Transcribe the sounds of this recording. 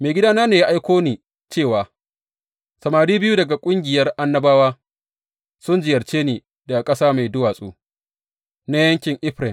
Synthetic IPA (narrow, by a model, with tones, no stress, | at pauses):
meː˨ɡʲɪ˦daː˦naː˦neː˨ja˦ʔa˦jkʷoː˦niː˨ | t͡ʃeː˦˨waː˨ | sɐ˨maː˨ɽiː˦bɪ˦juː˦dɐ˨ɡa˨kʷʼʊ˦ŋɡʲɪ˨jɐ˦rʔa˦nːɐ˦baː˦waː˦ | sʊ˦nd͡ʒɪ˨jɐ˨rt͡ʃeː˦neː˨ | da˨kʼɐ˦saː˦ma˨jdʊ˦waː˨sʼo̰ː˦ | na˦jɐ˦ŋkʲɪ˨ŋʔɪ˦ɸɾɛ˨m